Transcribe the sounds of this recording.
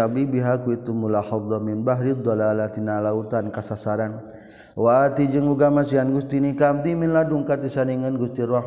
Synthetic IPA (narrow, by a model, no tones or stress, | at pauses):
abibiɦakuit̪umulaħɑðˤɑmɪnbaɦɾid̪ˤːɔlalat̪inalaut̪ankasasaɾan | waːt̪id͡ʒəŋuɡamasianɡust̪inikamt̪iminladuŋkat̪isaniŋənɡust̪iɾa